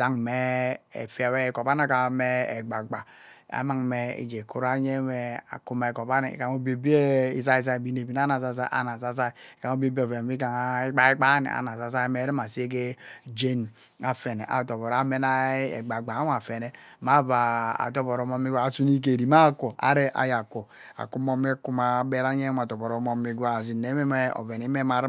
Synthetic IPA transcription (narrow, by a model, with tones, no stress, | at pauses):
a˦ŋme˦ḛ˨fi˦a˨we˦˨kɔ˨ba˦na˦ka˨me˦e˨ɡ͡ba˨ɡ͡ba˨ | a̰˨ma˦ŋme˨ḭ˨d͡ʒe˨ku˦ɾa˦ɲe˦me˨a̰˨ku˦ma˨e˨ko˨ba˦nḭ˨ka˨mo˦be˨bi˦e˦i˨z̬a˦i˨s̬a˦i˨bi˦ne˨bi˦na˦na˨sa˦s̬a˦ʔa̰˨na˨s̬a˨s̬a˦i˨ka˨ŋo˦be˦bi˦˨fe˨˦i˦ka˨ŋ˦e˦ɡ͡ba˦e˦ɡ͡ba˦nḭ˨a̰˨na˨sa˨s̬a˦i˦me˨˦ɾi˦ma˨si˦e˦k̬e˦d͡ʒe˦n | a˨fe˨ne˨ʔa̰˨to˨bɔ˨ɾa˨me˦na˦ḛ˨ɡ͡ba˨ɡ͡ba˨˦a˨fe˨ne˦ma˦va˨a̰˨tɔ˦bɔ˨ɾo˨mo˦mi˦ɡa˦a˨su˦ni˦k̬e˨ɾi˨ma˦ko˨ʔa̰˦ɾe˦ʔa̰˨ja˨ko˨ | a̰˨ku˦mo˦m˦e˦ku˦ma˨˦be˦ɾa˦ɲe˦ma˨tɔ˨bɔ˨ɾo˨˦mo˦mi˦ɡʷa˦˨zi˨ne˨˦me˦me˦o̰˨ve˨ni˨˦me˦ma˨ɾ